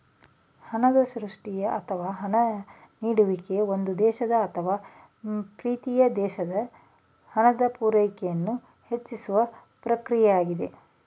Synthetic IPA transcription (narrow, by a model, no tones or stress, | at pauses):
hɐnɐd̪ɐsɾuʂʈijɐʔɐt̪ʰɐʋaːɦɐnɐ | niːɽuʋike̞ond̪ud̪ɛːʃɐd̪ɐːt̪ʰɐʋaː | pɾiːt̪ijɐd̪ɛːʃɐd̪ɐ | hɐnɐd̪ɐpuːɾɐjkɛjɐnːu | het͡ʃːisuʋɐ | pɾɐkɾijɛjaːɡid̪e̞